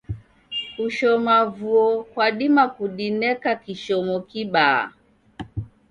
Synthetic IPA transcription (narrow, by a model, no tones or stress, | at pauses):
uʃɔmavuɔkwaɗimakuɗinɛkakiʃɔmɔkiɓa̰